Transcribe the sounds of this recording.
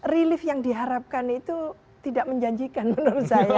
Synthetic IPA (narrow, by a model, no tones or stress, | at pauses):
rilɪfjaŋdiɦaɾap̚kanit̪u | t̪idaʔməɲd͡ʒaɲd͡ʒikanbənursaja